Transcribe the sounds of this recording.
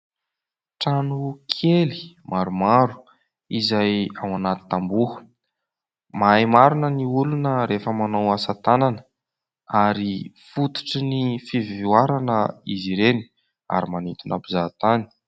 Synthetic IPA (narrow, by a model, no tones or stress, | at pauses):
ʈ͡ʂanukʰeli̥ | maɾumaɾu̥ | izajawanat̪i̥t̪ambuə̥ | majmaɾunəniulunəɾefəmanawasat̪ananə̥ | aɾifut̪ui̥ʈ͡ʂinifivivuaɾanəiziɾeni̥ | a̰ɾimanit̪unapizat̪ani̥